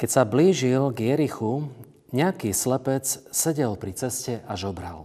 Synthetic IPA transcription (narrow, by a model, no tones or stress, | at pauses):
kɛcsabliːʒilɡjɛɾixu | ɲɛakiːslɛpɛt͡ssɛɟɛlpɾit͡sɛscɛʔazɔbɾa̰l